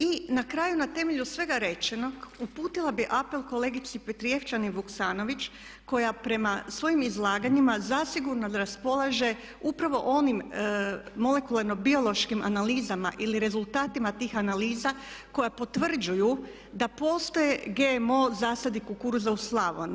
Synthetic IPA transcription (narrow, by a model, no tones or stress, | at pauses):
inakɾaːjunat̪e̞me̞ʎusʋe̞ɡaɾe̞t͡ʃeno̞ɡupuːt̪ilˠabiʔape̞lˠko̞le̞ɡit̪sipet̪ɾije̞ft͡ʃaniʋuksaːno̞ʋit͡ʃ | ko̞japɾe̞masʋo̞jimizlˠaːɡaɲimazasiɡuɾnad̪aɾaspo̞lˠaʒe̞ | upɾaʋo̞̰ʔo̞nim | mo̞le̞kulaɾno̞bio̞lˠo̞ʃkima̰naliːzama̰ʔiliɾe̞zulˠt̪aːt̪imat̪iːxanaliːzako̞japo̞t̪ʋr̩d͡ʒuju | d̪apo̞st̪oje̞ɡemo̞zaːsad̪ikukuɾzauslˠaʋo̰n